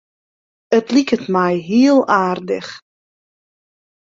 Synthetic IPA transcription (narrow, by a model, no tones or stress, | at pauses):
ətlikətmɛjɦiəlˠaːrdə̰x